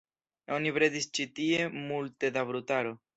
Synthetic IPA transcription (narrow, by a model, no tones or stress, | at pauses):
onibɾe̞dist͡ʃitie̞multe̞dabɾutaɾo̞